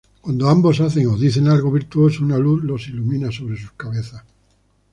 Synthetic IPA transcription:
kwand̪oambo̞saθe̞ŋoðiθe̞nalɣo̞βiɾt̪uo̞sounaluθlo̞silumĩnaso̞β̞ɾe̞suskaβe̞θas

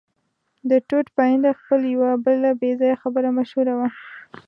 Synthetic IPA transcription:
d̪əʈoʈpaind̪axpəljawabəlabezɑjaxabəɾamaʃhuɾawa

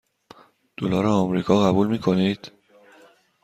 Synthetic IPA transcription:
d̪̥olɒːɾɒɒmɾiːkʰɒːɣæbuːlmiːkʰo̞nid̪̥

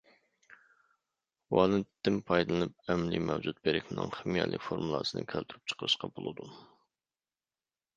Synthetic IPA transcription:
wɑnɨt̪ːɪnpʰɑjd̪ɨlˠɨnɨp̚ɛmlimɛwd͡ʒut̪̚beɾɪkʲmɪnɨ̰ŋχɪmijɛlʔɪ̰kʲfoɾmulˠɑ̰ːsɨnɨ̰kʲʰælt̪ʰyɾyp̚t͡ʃʰə̥qʰəɾɨʃqɑbolˠɨd̪u

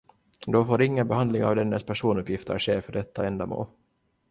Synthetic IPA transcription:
d̪ɔfoːɾɪŋːənbɛhand̪lɪŋa̰vd̪ɛnːəspʰæʂuːnɵpːjɪft̪ʰə̰ɾʂeːɾfœɖɛt̪ʰːaɛnd̪amo̰ːl

